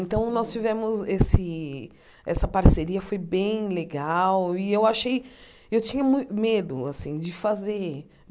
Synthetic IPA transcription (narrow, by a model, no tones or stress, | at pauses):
ẽnt̪ɐ̃w̃nɔst͡ʃivɛ̃mʊzesɪ | ɛsɐpaɾseɾiɐfojbẽj̃leɡawɪewaʃej | ewt͡ʃĩɲɐmũj̃t̪ʊmed̪ʊasĩd͡ʒɪfazeɾ